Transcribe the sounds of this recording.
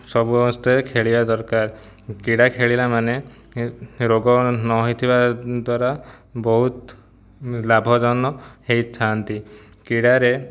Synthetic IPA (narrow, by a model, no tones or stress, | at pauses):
sɔbuɔst̪ɔekʰeɭibad̪ɔɾkaɾ | kiɽakʰeɭilamane | ɾoɡɔnɔɦojt̪ʰibad̪waɾa | bɔɦut̪ | labʱɔd͡ʒɔnːɔhejt͡ʃʰant̪i | kiɽaɾe